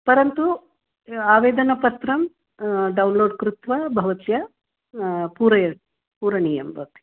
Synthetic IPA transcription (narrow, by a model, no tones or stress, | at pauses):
pɐɾɐnt̪u | aːʋeːd̪ɐnɐpɐt̪ɾɐm | ɖɐwnloːɖkɾut̪ʋɐbʱɐʋɐt̪jɐ | puːɾɐjɐ | puːɾɐniːjɐmbʱɐʋɐt̪jɐ